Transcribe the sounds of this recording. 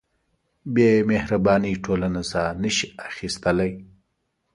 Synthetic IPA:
bemehɾabɑniʈʰolanasanəʃiaxist̪əlaj

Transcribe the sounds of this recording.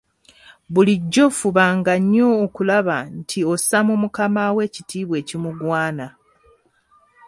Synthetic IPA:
βuliɟːo̞fuβaːŋɡaɲːoːkulaβantʰio̞samumukamawe̞ːcitʰiːβwe̞ːcimuɡwaːna

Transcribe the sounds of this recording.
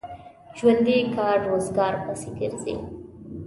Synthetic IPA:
ʒwand̪ikɑːɾːoːzɡɑːɾpasiɡɪɾzḛ

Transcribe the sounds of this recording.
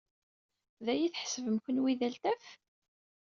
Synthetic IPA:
ðæjiθħə̥səvəmkənwiðælt̪æf

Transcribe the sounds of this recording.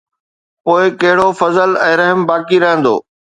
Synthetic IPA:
poːɪkɐɦɪɽofɐzəlɛ̃ːɾɐɦəmbaːkiɾɐɦə̃nd̪o̰ː

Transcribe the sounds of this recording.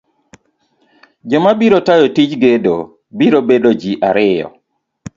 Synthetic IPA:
d͡ʒɔmabiɾotajɔtit͡ʃɡedo | biɾobedod͡ʒiʔaɾɪjɔ̰

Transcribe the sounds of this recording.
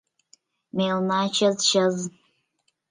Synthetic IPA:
melnaːt͡ʃʰɐzʃɐz

